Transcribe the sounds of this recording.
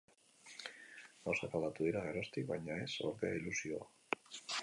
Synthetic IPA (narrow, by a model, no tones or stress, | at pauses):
asofalat̪uðiɾaɣeɾost̪ikβaɲae̞so̞̰ɾðea̰ilusioa